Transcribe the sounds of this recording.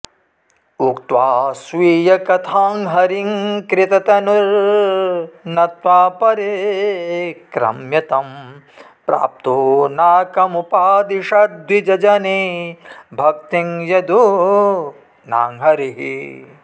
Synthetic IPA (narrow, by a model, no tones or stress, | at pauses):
ukt̪ʋaːsʋiːjɐkɐt̪ʰaːŋɦɐɾiŋkɾɪt̪ɐt̪ɐnuɾ | nɐt̪waːpɐɾe | kɾɐ̰mjɐt̪ɐm | pɾa̰ːp̚t̪unaːkɐmupaːd̪iʃɐd̪ʋid͡ʒɐd͡ʒɐni | bʱɐk̚t̪iŋjɐd̪u | naːŋɦɐɾiɦḭ